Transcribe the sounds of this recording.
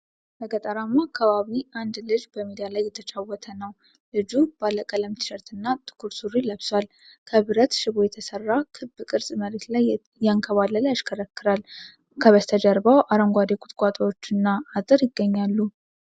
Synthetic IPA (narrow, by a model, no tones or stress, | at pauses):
bəɡət̪ʼəɾamːakʰːəβaβiʔand̪lɨd͡ʒbəmid̪ijalajːɛt̪ʰət͡ʃʰʼawːɔt̪ʰənəw | lɨd͡ʒubalːəkʼələmt̪ʰɨ̥ʃəɾt̪ɨnːat̪ʰʼɨ̥kʰuɾsuɾiləβswal | kʰəβɨɾət̪ʃɪβo̞jɛt̪ʰəsərːakʰɨbɨkʼɨɾsʼməɾet̪laj | jaŋkʰəβalːəlaʃkʰəɾəkːɨɾal | kʰəβəst̪ʰəd͡ʒəɾbawʔaɾəŋɡʷad̪ekʰʼu̥t̪ʼkʼat̪ʼawo̞t͡ʃːɨnːaat̪ʼɨɾjɪɡːəɲːalːu